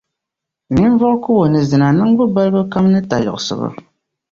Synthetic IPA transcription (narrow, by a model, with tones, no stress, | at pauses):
ni˦n˦vɔ˦ʔkʊ˦wo˨nɨ˨zɨ˨na˨nɨ˦ŋ˦ɡ͡bʊ˦ba˦lbɨ˦ka˦mnɨ˦ta˨jɔ˨sɨ̰˨bɨ̰˨